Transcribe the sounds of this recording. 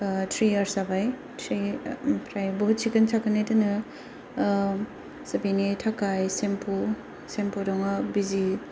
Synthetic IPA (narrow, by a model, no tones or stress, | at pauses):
tʰɾiɐɾsabaj | tʰɾipʰɾajboɦut̚sikɐntʰakɐnejdɯnɯ | sɐbinitʰakajsempu | sempudɔŋabizi